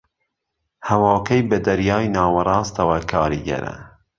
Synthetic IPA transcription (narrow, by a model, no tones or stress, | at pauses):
hɐwɑːkɐjbɐd̪ɐɾjɑːjnɑːwɐrˤɑːst̪ɐwɐkʰɑːɾiɡɛ̰ɾɐ̰